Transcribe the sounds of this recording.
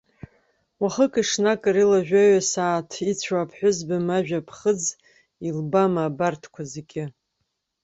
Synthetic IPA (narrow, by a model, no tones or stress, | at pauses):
waχəkʼɨʂnakʼɨɾilaʒᶣaɥasaːtʰit͡ɕʷʰapʰħʷᶣʊzbamaʒᶣapʰχəd͡z | ilbamaːbartʰkʷʰazekʲʼɪ